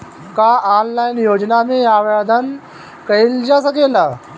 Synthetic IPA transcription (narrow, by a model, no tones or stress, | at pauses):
kaʔaːnlajnjoːd͡ʒnamẽaʋjad̪ʱən | kɐild͡ʒasɐkeːla